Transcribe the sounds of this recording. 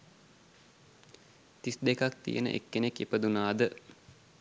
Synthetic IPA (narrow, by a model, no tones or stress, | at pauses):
t̪isd̪ekak̚t̪ḭjənə̰ʔḛkːenekːepəd̪unaːd̪ə